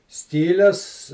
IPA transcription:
ˈsʲkʲiːlʲɛs

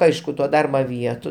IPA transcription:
ˈɐɪʃkʊ toː ˈdɐrbɐ ˈʋʲiɛtʊ

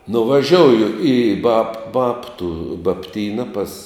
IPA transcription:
nʊʋɐˈʒʲoːʊjʊ iː bɐp ˈbɑːptʊ bɐpʲˈtʲiːnɐ pɐs

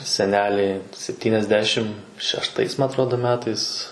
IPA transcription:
sʲɛˈnʲæːlʲɛɪ sʲɛpʲtʲiːnʲɛzʲˈdʲæːʃʲɪm ʃʲɛʃˈtɐɪs mɐ ɐtˈroːdoː ˈmʲæːtɐɪs

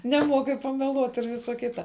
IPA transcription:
nʲɛˈmuɔkʲɪ pɐmʲɛˈlˠuɔt ɪr ˈʋʲɪsɐ ˈkʲɪtɐ

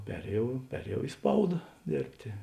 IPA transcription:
ˈpʲæːrʲeːjɛʊ ˈpʲæːrʲeːjɛʊ ɪ ˈspɐʊdɐ ˈdʲeːrʲpʲtʲeː

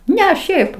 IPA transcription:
ˈnʲɛ ˈʃʲɛɪp

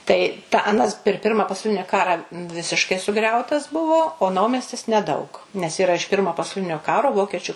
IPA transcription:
tɐɪ tɑː ɐˈnɐs pʲɛr ˈpʲɪrmɐ pɐsɐʊˈlʲɪnʲɪ ˈkɑːrɐ ˈʋʲɪsʲɪʃkɐɪ sʊˈɡrʲɛʊtɐs ˈbʊʋoː oː ˈnɐʊmʲɛsʲtʲɪs nʲɛˈdɐʊk nʲɛs iːˈrɐ ɪʃ ˈpʲɪrmoː pɐsɐʊˈlʲɪnʲoː ˈkɑːroː ˈʋoːkʲɛt͡ʃʲʊ

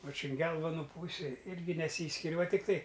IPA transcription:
ʋɐ t͡ʃʲɛ ɐn ˈɡʲɛlˠʋoːnʊ ˈpuːsʲɪ ˈɪrʲɡʲɪ nʲɛˈsʲiːsʲkʲɪrʲ ʋɐ tʲɪkˈtɐɪ

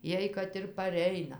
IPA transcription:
ˈjiɛj kɐt ɪr pɐˈrʲɛɪnɐ

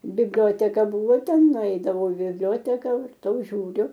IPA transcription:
bʲɪbʲˈlʲoːtʲɛkɐ ˈbʊʋoː ˈtʲɛn nʊˈɛɪdɐʋɐʊ ɪ bʲɪbʲˈlʲoːtʲɛkɐ ʋɐrˈtɐʊ ʒʲuːˈrʲʊ

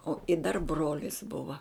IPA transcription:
oː ɪ dɐr ˈbroːlʲɪs ˈbʊʋɐ

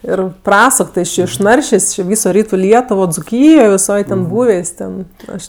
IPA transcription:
ˈɪr ˈprɑːsʊk ˈtʲɪ jɪs ˈt͡ʃʲeː ɪʃˈnɐrʲʃʲeːsʲ t͡ʃʲɪ ˈʋʲiːsoː ˈrʲiːtʊ ˈlʲiɛtʊʋoː d͡zʊˈkʲiːjoː ʋʲɪˈsoːj tʲɛn ˈbuːʋʲeːsʲ ˈtʲɛn ˈɐʃ

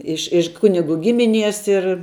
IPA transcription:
ˈɪʃ ɪʃ ˈkʊnʲɪˌɡʊ ˈɡʲɪmʲɪˌnʲiɛs ɪr

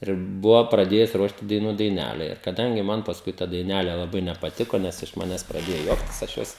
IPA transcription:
ɪr ˈbʊʋoː prɐˈdʲeːjʊs ˈruɔʃt ɪ dɐɪˈnuː dɐɪˈnʲæːlʲɛ ɪr kɐˈdɐŋʲɡʲɪ ˈmɐn pɐsˈkʊɪ tɐ dɐɪˈnʲælʲɛ lˠɐˈbɐɪ nʲɛpɐˈtʲɪkoː ˈnʲɛs ɪʃ ˈmɑːnʲɛs prɐˈdʲeːjoː ˈjuɔktʲɪs ɐʃ ˈjoːs

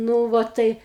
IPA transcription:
ˈnuː ʋɐ ˈtɐɪ

